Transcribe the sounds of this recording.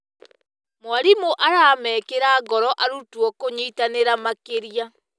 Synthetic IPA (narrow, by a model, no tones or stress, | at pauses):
mowaɾimoʔaɾamɛːkeɾaːɡɔɾɔʔaɾutwɔkoɲeitaneɾamakeɾija